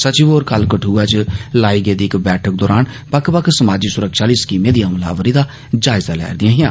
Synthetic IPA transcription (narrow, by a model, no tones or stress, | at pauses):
sət͡ʃiʋoːɾkəlkəʈʰuːaːt͡ʃlaːiːɡeːd̪iːɪkbɛːʈʰək̚d̪ɔːɾaːn | pəkʰpəkʰsəmaːd͡ʒiːsʊɾəkʃaːliːskiːmeːd̪ijãːmla̰ːʋəɾiːd̪aː | d͡ʒaːɪzaːlɛ̰ːɾd̪ɪãːɦɪjãː